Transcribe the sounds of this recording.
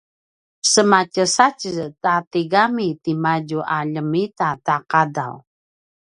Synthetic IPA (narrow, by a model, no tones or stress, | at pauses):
səmacəsacətatiɡamitimaɟuʔaʎəmitataqada̰w